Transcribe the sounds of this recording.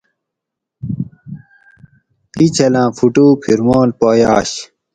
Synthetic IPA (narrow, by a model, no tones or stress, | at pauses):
it͡ɕʰɐlãːfuʈuːpʰiɾmoːlpoːjaːɕ